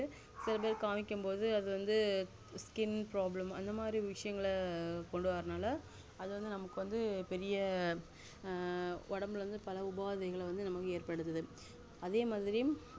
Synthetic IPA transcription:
ɯ | sɪlɐp̬eːðkaːmɪkʲːɯmpoːðɯɐðɯʋɐnd̪ɯ | skɪnpɾaːblɐmɐ̰nd̪ɐmaːd̪ɾiʋɪʂɐjɐŋɡɐɭkɔɳɖɯʋaːɾɐnaːlɐ | ɐðɯʋɐnd̪ɯnɐmɐkːɯʋɐnd̪ɯpɛɾɪjɐ | ɔɽɐmɯlʋɐnd̪ɯpɐlɐʊbaːðɐɣɐɭʋɐnd̪ɯnɐmɐkːɯeːɾpɐɽɯt̪ːɐðɯ | ɐðeːmaːðɪɾɪjɯm

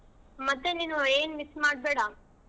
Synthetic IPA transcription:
mɐt̪ːeniːnueːnmismaːɽ̚beːɽa

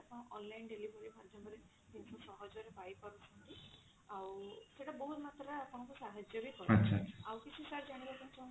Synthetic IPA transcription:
apɔɽ̃ɔ̃ʔɔnlajnɖelibʱɔɾibʱad̪ʱjɔbʱɔɾe | t̪insʰɔsɔɦɔd͡ʒɔɾebajpɔɾɔsʰɔnt̪i | awseʈabɔɦut̪mat̪ɾɔapɔɽ̃ɔ̃kusaɦad͡ʒjɔbikɔɾaʃʰaʃʰawkit͡ʃʰisaɾd͡ʒaɽ̃ibakutʰɔw̃

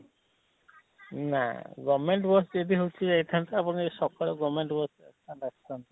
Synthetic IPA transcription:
na̰ɡɔmeɳʈbɔsd͡ʒed̪iɦowt͡ʃʰid͡ʒejʈ̪ʰant̪aapɔnisɔkɔɽɔɡɔmeɳʈbɔsḛand̪akʰi̥t̪ʰant̪ɔ

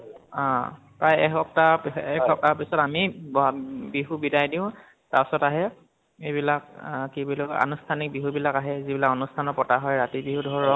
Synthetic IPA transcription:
ã | pɹajɛkɔp̚taɛkʰɔp̚tapisɔtamibɔbiɦubidajdiʊ̃ | tapɔsɔtaɦɛ | ejbilakkibilɔa̰nustʰanik̚biɦubilakaɦɛzibilakɔnustʰanɔpɔtaɦɔjɹatibiɦudʱɔɹɔ

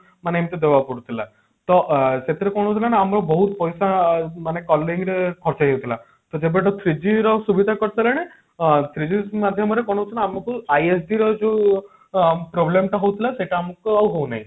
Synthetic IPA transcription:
maneemt̪ed̪ebapɔɽut̪ʰila̰ | t̪ɔset̪ʰiɾekɔɽ̃ɔɦut̪ʰilaneamɾɔbɔɦut̪pɔjsamanekɔlɔɾiŋɡɾekʰɔɾt͡ʃajewt̪ʰila | t̪ɔd͡ʒebeʈɔt̪ʰɾid͡ʑiɾɔsubid̪ʱakɔɽsaleñe | t̪ʰɾid͡ʑimad̪ʱjɔmɔɾekɔɽ̃ɔɦut̪ʰinaamɔkuajesɖiɾɔd͡ʒo | pɾɔblemʈaɦowt̪ʰilaseʈaːmɔkawɦowna̰ɦĩ

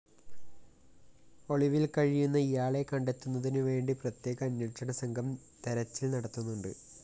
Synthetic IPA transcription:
o̞ɭiʋilkɐɻijunːɐijaːɭe̞kɐɳɖe̞t̪ːunːɐðinɨʋe̞ːɳɖiprɐt̪je̞ːɣɐːnːɐʈʂɐɳɐsɐŋɡʱɐm | t̪eɾɐt͡ɕːilnɐɽɐt̪ːunːuɳɖɨ

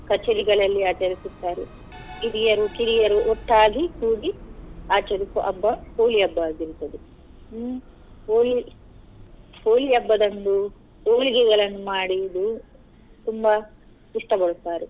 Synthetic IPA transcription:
kɐt͡ʃːɐɾiɡɐɭɐlːiaːt͡ʃɐɾisut̪ːaːɾɛ | kiɾijɐɾukiɾijɐɾuʔoʈːaːɡikuːɡiaːt͡ʃɐɾisuʔɐ̰bːɐpoːliɐbːɐaːɡiɾut̪ːɐd̪e | poːli | poːliɐbːɐd̪ɐnd̪u | oːɭiɡɛɡɐɭɐnːumaːɽid̪u | t̪umbɐ | iʂʈɐbɐɭut̪ːaːɾɛ

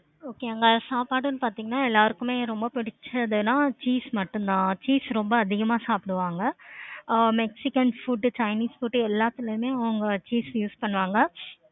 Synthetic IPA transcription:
oːkeːɐŋɡɐsaːpaːɽɯnːpaːɾt̪iːŋɡɐnːaːɛlːaːɾɯkːɯmeːɾɔmbɐpɪɽɪt͡ʃːɐðɯnãːt͡ʃiːsmɐʈːɯnd̪ãːt͡ʃiːsɾɔmbɐːðɪɣɐmaːsaːpɪɽɯʋaːŋɡɐ | mɛksɪkɐnfuːɖt͡ʃɐɪniːsfuːʈːɛlːaːt̪ːɪlɐjmeːɐʋɐŋɡɐt͡ʃiːsjuːspɐɳːɯʋaːŋɡɐ

